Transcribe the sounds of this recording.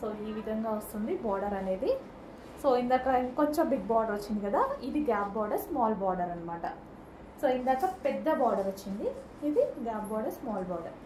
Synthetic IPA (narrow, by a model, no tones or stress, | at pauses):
soːiːʋid̪ʱɐŋɡaːʋɐst̪und̪ibaːɾɖɐɾɐle̞ːd̪i | soːind̪aːkɐkoɲt͡ʃobiɡ̚baːɾɖɐɾot͡ʃːind̪ikɐd̪aid̪iɡaːb̚baːɾɖɐɾsmaːlbaːɾɖɐɾɐnmaːʈɐ | soːind̪aːkɐpɛd̪ːɐbaːɾɖɐɾɐt͡ʃːind̪i | id̪iɡaːpbaːɾɖɐɾsmaːlbaːɾɖɐ̰ɾ